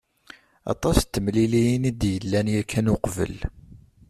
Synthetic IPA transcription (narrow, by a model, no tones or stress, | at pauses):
ɑ̰t̪ˤɑst̪ːəmlilijinid̪jəlːænjækʰːænʊqvə̰l